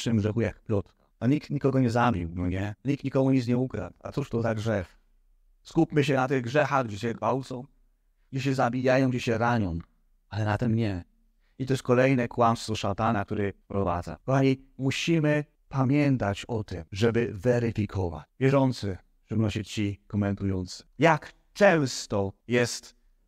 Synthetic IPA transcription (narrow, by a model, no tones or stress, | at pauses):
ʂɨmɡʐɛxujakplɔt̪ | aɲik̚t̪ɲikɔɡɔɲɛzabʲiwdɔɲɛɲik̚t̪ɲikɔmuɲit̪sɲɛukɾa̰t̪a̰t̪suʂt̪ɔzaɡʐɛf | skupʲmɘɕ̬ɛnat̪ɪɣɡʐɛxaɣɡd͡ʑɛɕɛɡvawt̪sɔ̃w̃ | ɡd͡ʑɛɕ̬ɛzabʲijajɔ̃w̃ɡd͡ʑɛɕɛɾaɲɔ̃n | alɛnat̪ɛmɲɛ | it̪ɔjɛskɔlɛjnɛkwamst̪fvɔʂat̪anak̚t̪uɾɛpɾɔva̰d̪za̰kɔxaɲimuɕimɘ | pamʲjɛnt̪at͡ɕɔt̪ɪmʐɛbɘvɛɾɪfʲikʰɔva̰t͡ɕvʲjɛʐɔnt̪sɘ | ʂɨbnɔɕɛt͡ɕikɔmɛnt̪ujɔnt̪sɘ̥jak | t͡ʂɛ̃w̃st̪ɔjɛst̪